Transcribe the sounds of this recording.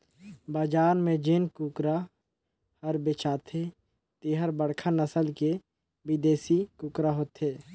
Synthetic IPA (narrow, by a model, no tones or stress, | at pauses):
baːd͡ʒaːnmẽd͡ʒɪnkʊkɾa | həɾbet͡ʃaːt̪ʰe | t̪iɦəɾbəɽkʰanəsəlke | bɪd̪eːsikʊkɾaɦoːt̪ɦeː